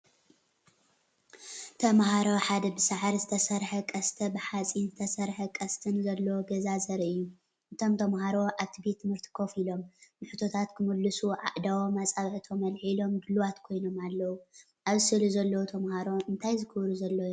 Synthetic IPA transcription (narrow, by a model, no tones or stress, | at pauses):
t̪ʰɐmhaɾoħad̪ɐbɨsaʕaɾzɨt̪ʰɐsɐɾħɐkʼɐst̪ʰɐbɨħat͡sʼinzɨt̪ʰɐsɐɾħɐkʼɐst̪ʰɨnzɐlːɐwoɡɐzazɐɾɨjːu | ʔɨt̪ʰo̞mt̪ʰɐmɦaɾo̞ʔaβt̪ʰibet̪ʰːɨmɨɾt̪ʰɨ̥kʰo̞filo̞mbɨħut̪ʰo̞t̪ʰat̪kʰɨmɨlːɨsuʕa̰ʔd̪awomat͡sʼaβʕɨt̪ʰo̞mɐlħilo̞mɡɨlwat̪kʰo̞jno̞malːɐwu | ʔaβzɨsɨluzɐlːɐwot̪ʰɐmhaɾo̞ɨnt̪ʰajzɨkʰɨβɾuzɐlːoj